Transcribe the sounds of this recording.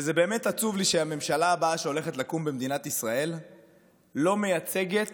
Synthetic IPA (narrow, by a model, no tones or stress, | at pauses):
ezebe̞ːme̞tat͡suvliʃeame̞mʃalaːbaaʃeo̞le̞χetlakumbemd̪inat̪isʁae̞lː | o̞me̞jat͡se̞ɡe̞t